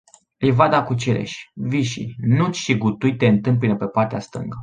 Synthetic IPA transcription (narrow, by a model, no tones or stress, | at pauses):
ijvad̪akut͡ʃiɾḛʃʲviʃḭnut͡ʃʃiɡut̪ujt̪eɨnt̪ɨmp̬inəpepart̪east̪ɨ̰ŋɡə